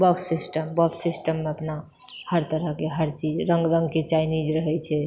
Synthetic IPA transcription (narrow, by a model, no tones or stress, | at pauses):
bəksːisʈəmbəkssisʈəmːeəpna | həɾt̪əɾəɦkeɦəɾt͡ʃid͡ʒɾəŋɡɾə̃ŋɡket͡ʃajnid͡ʒɾəɦɛt͡ʃʰɛ